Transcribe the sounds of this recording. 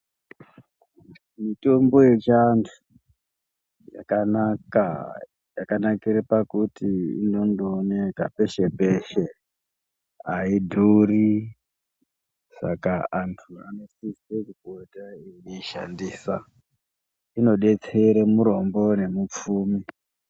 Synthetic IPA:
mito̞mbo̞jet͡ʃantʰu̥ | ja̰kanaka | jakanakiɾepakutiḭno̞ndoːne̞ka̰pe̞ʃepe̞ʃe̞ | aidʱuri | sa̰kaantʰua̰no̞sisekikotaejiiʃa̰ndiːsa̰ | ino̞ɗe̞t͡seɾemuɾo̞mbo̞ne̞mup͡fuːmi

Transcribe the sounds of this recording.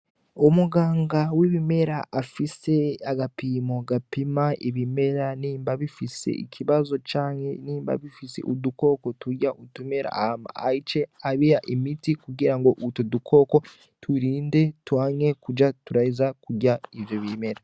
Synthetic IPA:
omuɡaːŋɡawiβime̞ɾaʔːfise̞aɡapiːmo̞ɡapimaiβime̞ɾaniːmbaβifise̞̰ḭcʰiβazo̞t͡ʃaːɲhe̞niːmba̰βifise̞̰ʔuduko̞ko̞tuɟaʔutuime̞ɾa̰ma̰ait͡ʃe̞aβijaʔimitikuɡiɾaŋɡo̞ʔutudukʰo̞ko̞ | tʰuɾiːnde̞twaːɲe̞kud͡ʒatuɾaizakuɟaivjoβime̞ɾa

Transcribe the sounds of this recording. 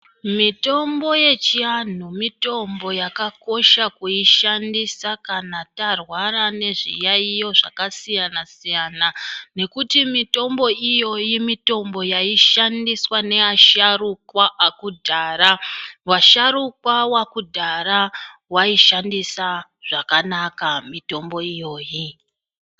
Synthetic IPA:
mito̞mbo̞je̞t͡ʃian̤umito̞mbo̞jakako̞ʃakuiʃandisakanatarwarane̞ʐḭjaijo̞ʐa̰kasijanasijanane̞kutimito̞mbo̞ijo̞jimito̞mbo̞jaiʃandiswane̞aʃarukwaʔakudʱaːrawaʃaɾukwawakudʱarawaiʃandisaʐ̥akanakamito̞mbo̞ijo̞ːji

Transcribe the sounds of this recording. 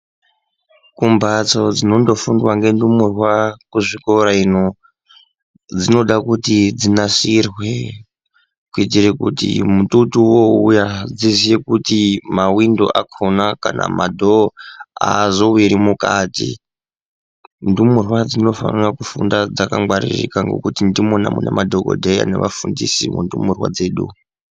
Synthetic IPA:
kumbat͡so̞d͡zino̞ndo̞fundwaŋɡe̞ndumurwakuʐikoɾaino | d͡zino̞ɗakutid͡zinasirwe | kuit̬irekutḭmututuwo̞ṵjad͡zizijekutimawindo̞ʔakʰonakana̰madʱoazo̞wiɾimukaːtḭ | ndumurwad͡zino̞fa̰nirakufundad͡zakaŋɡwarḭrḭkaŋɡo̞̰kutindimonamunemadʱoko̰dʱeja̰ne̞̰ʋafundisimundumurwa̰d͡ze̞ːɗu

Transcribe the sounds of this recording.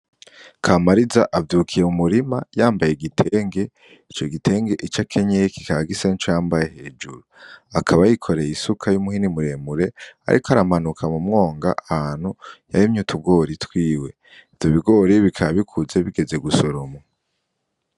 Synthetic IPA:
kʰamaɾizaʔavjukʰije̞mumuɾima̰jaːmbaje̞ɡitʰe̞ŋɡe̞ | it͡ʃo̞ɡitʰe̞ːŋɡe̞ʔit͡ʃakʰe̞ɲeki̥kaɡisent͡ʃojaːmbajehe̞ːd͡ʒuɾuakʰaβajikʰo̞ɾejisukʰajumuhinimuɾe̞muɾe̞a̰ɾʔḭkoaɾamanukʰamumŋo̞ːŋɡa̰ʔahaːn̥huja̰ɾimɲutʰuɡo̞ɾitwiːwe̞ | ivjoβiɡo̞ːɾiβikʰaaβikʰuze̞βiɡe̞ze̞ɡusoɾoma

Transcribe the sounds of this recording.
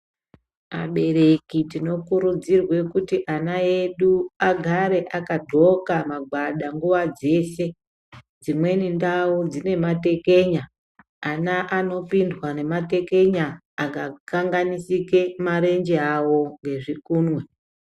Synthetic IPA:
ma̰ɓe̞ɾekitino̞kuɾud͡zirwe̞kutiʔanaje̞ɗuaɡʱaɾe̞ʔakadʱo̞kamaɡʱwaɗaŋɡuʋad͡ze̞ːse̞ | d͡zimwe̞nindaud͡zine̞mate̞ke̞ɲaː | naʔano̞pindwane̞mate̞ke̞ɲaː | kakaŋɡanisikemaɾe̞nd͡ʒeawo̞ŋɡe̞ʐikuːnwe

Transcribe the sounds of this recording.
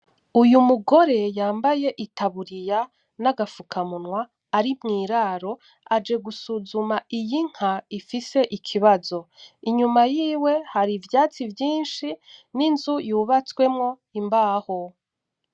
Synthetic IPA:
ujumuɡo̞ɾe̞jaːmbaje̞ʔitaβuɾija | naɡafukʰamunwaː | ɾimŋiːɾaːɾo̞ | ad͡ʒe̞ɡusuzumaijiŋ̥haifise̞ʔikʰiβazo̞iɲumajiːwe̞haɾivjaːt͡sivjiːnʃininzujuːβat͡swe̞mŋo̞ | imbaːho

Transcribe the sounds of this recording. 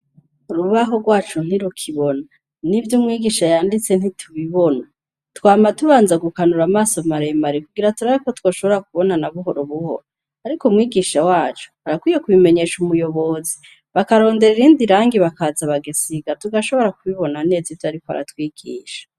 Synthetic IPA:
uɾuβaɦo̞ɡwaːt͡ʃun̥iɾukʰiβo̞na | nivjumŋiːɡiʃajaːndit͡se̞n̥hitʰuβiβo̞na | twaːmatuβaːnzaɡukanuɾamaːsomaɾemaɾikuɡiɾatuɾaikotwo̞ːʃo̞βoɾak̚uβo̞nanaβuɦo̞ɾoβuho̞̰ɾo | aɾikumŋiːɡiʃawaːt͡ʃu̥aɾakwijekuβime̞ɲe̞ːʃumujo̞βo̞zi | βakaɾo̞ːnde̞ɾiɾiːndiɾaːŋɡiβakazaβaɡesiɡatuɡaʃo̞βoɾakuβiβo̞nane̞ːzivjoaɾikoa̰ɾa̰twiːɡ̥iːʃḁ

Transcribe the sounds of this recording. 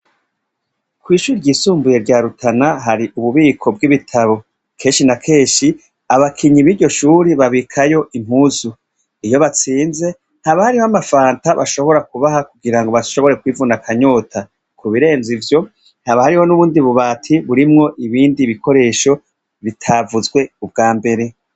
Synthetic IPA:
kwiːʃuːɾiɾɟiːsuːmbuje̞ɾɟaːɾutʰanaɦaɾiʔuβuβiːkʰo̞b̚ɡiβitʰaβo̞ | kʰe̞ːnʃinakʰe̞ːʃi | aβakʰiɲiβiːɾɟo̞ʃuːɾiβaβikʰajo̞ʔim̥huːzu | ijo̞βat͡siːnze̞ | haβahaɾihoamafaːntaβa̰ʃo̞βo̞ɾakuβahakuɡiɾaŋɡoβaʃo̞βo̞ɾe̞kwiːvunakʰaɲo̞ːtʰa | kʰuβiɾe̞ːnzivjo̞ | haβahaɾiho̞nuβuːndiβuβaːtʰiβuɾimŋo̞ʔiβiːndiβikʰo̞ɾe̞ːʃo̞ | βitʰavuzɡwe̞ub̚ɡaːmbe̞ɾe̞

